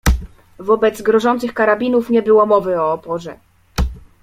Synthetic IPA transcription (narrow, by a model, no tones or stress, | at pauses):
vɔbɛd̪zɡɾɔʐɔnt̪sɘxkaɾabʲinufɲɛbɘwɔmɔvɘɔːpɔʐɛ̰